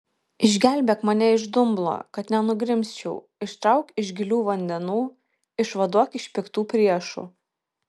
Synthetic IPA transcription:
ɪʒʲɡʲæˑlʲbʲeːkmɐnʲɛɪʒd̪ʊmblˠo̰ːkɐt̪nʲɛnʊɡɾʲɪmʲsʲt͡ʃʲɛʊ | ɪʃt̪ɾɐʊkɪʒʲɡʲɪlʲuːʋɐnʲd̪ʲɛnuː | ɪʃʋɐd̪uɔkɪʃʲpʲɪkt̪uːpʲɾʲiɛʃṵː

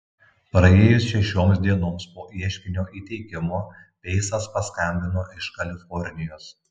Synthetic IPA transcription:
pɾɐeːjʊsʃʲɛʃʲoːmsd̪ʲiɛnoːmspoːʔiɛʃʲkʲɪnʲoːʔiːt̪ʲɛɪkʲɪmoː | pʲɛɪsɐspɐskɐmʲbʲɪnoːʔɪʃkɐlʲɪfɔɾʲnʲɪjoːs

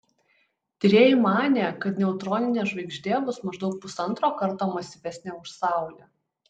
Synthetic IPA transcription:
t̪ʲɪɾʲeːjɪmɑːnʲeːkɐt̪nʲɛʊt̪ɾɔnʲɪnʲeːʒʋɐɪɡʒʲd̪ʲeːbʊsmɐʒd̪ɒʊk̚pʊsɐnt̪ɾoːkɐɾt̪oːmɐsʲiʋʲɛsʲnʲeːʊʃsɑˑʊlʲeː

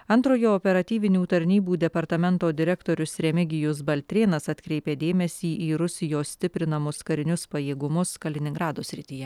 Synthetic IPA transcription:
ɐnt̪ɾoːjoːɔːpʲɛɾɐt̪ʲiːʋʲɪnʲuːt̪ɐɾʲnʲiːbuːd̪ʲɛpɐɾt̪ɐmʲɛnt̪oːd̪ʲɪɾʲɛkt̪oːɾʲʊsɾʲɛmʲɪɡʲɪjʊsbɐlʲt̪ʲɾʲeːnɐsɐt̪ʲkɾʲɛɪpʲeːd̪ʲeːmʲɛsʲiːʔiːɾʊsʲɪjoːsʲt̪ʲɪpʲɾʲɪnɐmʊskɐɾʲɪnʲʊspɐjeːɡʊmʊskɐlʲɪnʲɪŋɡɾɑːd̪oːsʲɾʲɪt̪ʲijɛ

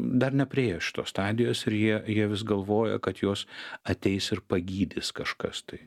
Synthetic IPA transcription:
d̪ɐrnʲɛpʲɾʲɪeːjoːʃʲɪ̥t̪oːst̪ɑːd̪ʲɪjoːsɪɾjiɛjiɛʋʲɪsɡɐlˠʋoːjɛ̰kɐt̪joːsɐt̪ʲɛɪsɪrpɐɡʲiːd̪ʲɪskɐʃkɐ̰st̪ɐɪ

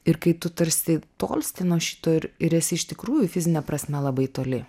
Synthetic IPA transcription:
ɪɾkɐɪt̪ʊt̪ɐɾʲsʲɪt̪o̰ːlʲsʲt̪ʲɪnoːʃʲɪ̥t̪oːɪɾɪɾɛsʲɪɪʃt̪ʲɪkɾuːjʊfʲɪzʲɪnʲɛpɾɐsʲmʲɛlˠɐbɐɪt̪oːlʲɪ

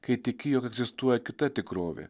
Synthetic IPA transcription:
kɛjt̪ikijɔkɛɡzist̪uajkut̪ɛt̪ikɾɔvḭ

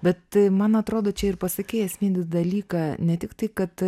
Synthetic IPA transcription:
bʲɛt̪mɐnɐt̪ɾoːd̪oːt͡ʃʲɛɪrpɐsɐkʲeːɪjɛsʲmʲiːnʲd̪ʲd̪ɐlʲiːkɑnʲɛt̪ʲɪkt̪ɐɪkɐt̪

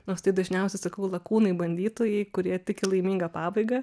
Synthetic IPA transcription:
noːst̪ɐɪd̪ɐʒʲnʲɛʊsʲɛɪsɐkɐʊlˠɐkuːnɐɪbɐnʲd̪ʲiːt̪oːjɛɪkʊɾʲiɛt̪ʲɪkʲɪlˠɐɪmʲiːŋɡɐpɑːbɐɪɡɐ

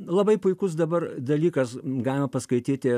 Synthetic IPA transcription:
lˠɐbɐɪpʊɪkʊs̬d̪ɐbɐrd̪ɐlʲiːkɐsɡɑːlʲɪmɐpɐskɐɪt̪ʲiːt̪ʲɪ

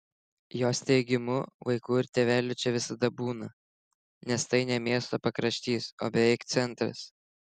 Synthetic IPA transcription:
joːst̪ʲɛɪɡʲɪmʊʋɐɪkuːɪɾt̪ʲeːʋʲæːlʲʊt͡ʃʲɛʋʲɪsɐd̪ɐbuːnɐ | nʲɛst̪ɐɪnʲɛmʲiɛst̪oːpɐkɾɐʃʲt̪ʲiːso̰ːbʲɛʋʲɛɪkt̪sʲɛnʲˑt̪ɾɐ̰s

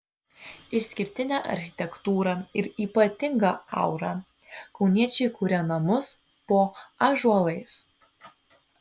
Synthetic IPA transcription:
ɪʃsʲkʲɪɾʲt̪ʲɪnʲæːʔɐ̰ɾʲxʲɪ̥t̪ʲɛkt̪uːɾɐɪɾiːpɐt̪ʲɪŋɡɑɐ̰ˑʊɾɑ | kɒʊnʲiɛt͡ʃʲɛɪkuːɾʲɛnɐmʊs | poːɐʒuɔlˠɐɪs

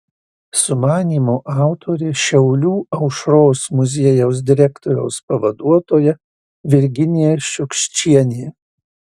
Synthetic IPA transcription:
sʊmɑːnʲiːmoːʔɑˑʊt̪ʰoːɾʲeʃʲɛʊlʲuːɐʊʃɾoːsmʊzʲeɛjɛʊs̬d̪ʲɪɾʲækt̪ɔːɾʲɛʊspɐʋɐd̪uɔt̪oːjɛ | ʋʲɪɾʲɡʲɪnʲijɛʃʲʊkʃʲt͡ʃʲiɛnʲeː

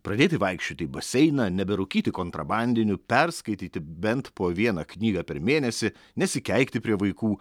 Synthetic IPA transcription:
pɾɐd̪ʲeːt̪ʲɪʋɐɪkʃʲt͡ʃʲoːt̪ʲɪbɐsʲɛɪnɐnʲɛbʲɛɾʊkʲiːt̪ʲɪkoːnt̪ɾɐbɑnʲd̪ʲɪnʲʊpʲɛɾskɐɪt̪ʲiːt̪ʲɪbʲɛnt̪poːʋʲiɛnɐknʲiːɡɐːpʲɛɾmʲeːnʲɛsʲɪ | nʲɛsʲɪkʲɛɪkʲt̪ʲɪpʲɾʲiɛʋɐɪkuː

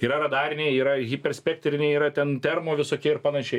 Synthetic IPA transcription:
iːɾɐɾɐd̪ɑːɾʲɪnʲeːiːɾɐɣʲipʲɛrʲsʲpʲɛkt̪ʲɾʲɪnʲeɪiːɾɐt̪ʲɛnt̪ʲɛrmoːʋʲɪsoːkʲiɛɪrpɐnɐʃʲɛɪ

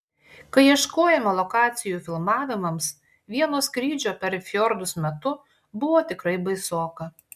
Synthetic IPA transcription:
kɐɪiɛʃkoːjɛmɐlˠɔkɑːt̪sʲɪjuːfʲɪlˠmɑːʋʲɪmɐms | ʋʲiɛnoːskɾʲiːd͡ʒʲoːpʲɛɾfʲjɔɾd̪ʊsmʲɛt̪ʊ | bʊʋoːt̪ʲɪkɾɐɪbɐɪsoːkɐ

